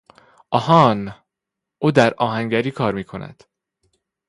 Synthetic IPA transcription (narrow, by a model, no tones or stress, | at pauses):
ʔɒhɒn | oːd̪æɾɒːɦæŋɟæɾiːkʰɒːɾmiːkʰo̞næ̰d̪̥